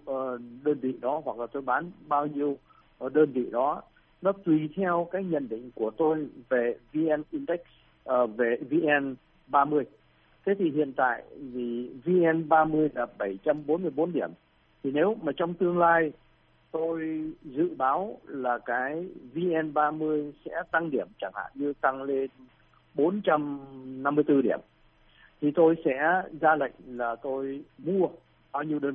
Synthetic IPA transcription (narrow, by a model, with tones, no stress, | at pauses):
ʔəː˨˩ɗəː˧nvḭ˧˨ɗɔ˨˦ɦwa˨˩k̚laː˨˩t̪o˧jɓaː˨˦nɓaː˧wɲi˧əw | ɗəː˧nvḭ˧˨ɗɔ˨˦ | nɔ˨˦t̪wi˨˩t̪ʰɛ˧wkaː˨˦˥k̚ɲə̰˧˨nɗḭ̈˧˨ŋ̟ku˧˩ət̪o˧jve˨˩vi˧ʔɛ˧nʔi˧nɗɛ˦˥k̚s | ʔəː˨˩ve˨˩vi˧ʔɛ˧n | ɓaː˧mɨ˧əj | t̪ʰe˨˦t̪ʰi˨˩ɦḭ˧˨ənt̪a̰ː˧˨jvi˨˩vi˧ʔɛ˧nɓaː˧mɨ˧əjlaː˨˩ɓə˧˩jt͡ɕa˧mɓo˨˦nmɨ˧əjɓo˨˦nɗi˧˩əm | t̪ʰi˨˩ne˨˦wmaː˨˩t͡ɕɔ˧wŋ͡mt̪ɨ˧əŋlaː˧j | t̪o˧jzɨ̰˧˨ɓaː˨˦wlaː˨˩kaː˨˦jvi˧ʔɛ˧nɓaː˧mɨ˧əjsɛ̰˧˥t̪a˧ŋɗi˧˩əmt͡ɕa˧˩ŋha̰ː˧˨ɲɨ˧t̪a˧ŋle˧n | ɓo˨˦nt͡ɕa˧mna˧mːɨ˧əjt̪ɨ˧ɗḭ˧˩əm | t̪ʰi˨˩t̪o˧jsɛ̰˧˥zaː˧lə̰˧˨jŋ̟laː˨˩t̪o˧jmu˧ə | ɓaː˧wɲi˧wɗəː˧